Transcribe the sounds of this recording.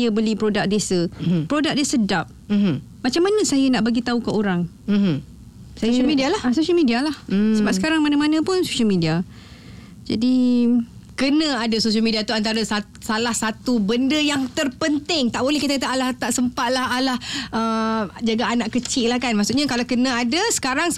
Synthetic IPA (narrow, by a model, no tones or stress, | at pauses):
ajəbəlipɾodak̚desəpɾodak̚desədap̩̚ | mat͡ʃamːanə̃sajənaʔbaɡit̪aukaʔoɾaŋ̩ | samidialahsoʃəlmidialah̩səbap̚səkaɾaŋmanamanə̃pʊnsoʃəlmidia | d͡ʒa̰di | kənãadasoʃəlmidiat̪uant̪aɾasa | salahsat̪ubəndəjaŋt̪ərpənt̪ɪŋt̪aʔbolɛhkit̪akat̪aalaht̪aʔsəmpat̪̚laɦalahʔəd͡ʒaɡaːnaʔkət͡ʃɪlahkanmaʔsuʔɲakalakənãadasə̥kaɾaŋ